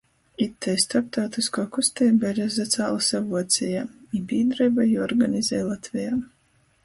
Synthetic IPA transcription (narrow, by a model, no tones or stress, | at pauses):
it̪ːɛjst̪aɾp̚t̪awt̪iskɔːkust̪ɛjbɛɾɛzat̪saːlˠasavuɔt̪sʲɛjaːibiːd̪ɾajbajɔɾɡanizɛːjlˠat̪vʲijaː